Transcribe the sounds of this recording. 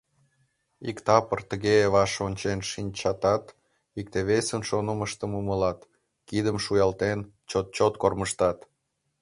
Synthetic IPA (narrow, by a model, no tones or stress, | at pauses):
ikt̪ɑpərt̪əɣeβɑʃonʲt͡ɕenʃinʲt͡ɕɑt̪ɑt̪ | ik̚t̪eβesənʃonəməʃt̪əmuməlɑt̪ | kid̪əmʃujɑlt̪en | t͡ɕot̪̚t͡ɕot̪korməʃt̪ɑt̪